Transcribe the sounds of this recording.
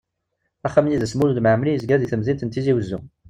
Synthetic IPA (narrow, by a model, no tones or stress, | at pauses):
æχːəmjiðəsmulud̪məʕmlijəzɡæðiθəmzint̪ənt̪iziwəzːu